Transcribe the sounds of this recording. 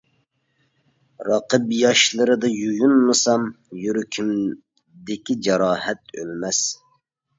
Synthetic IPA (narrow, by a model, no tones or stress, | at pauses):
ɾɑqəbjɑʃlˠɨɾɨd̪ɨjujunmɨsɑm | jyɾykʲʰym | d̪ɪkʲid͡ʒɑɾɑːhɛt̪̚ø̰lmɛs